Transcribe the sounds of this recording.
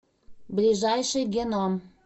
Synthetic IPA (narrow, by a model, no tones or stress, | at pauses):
blʲiʒɑjʃɨjɡʲenom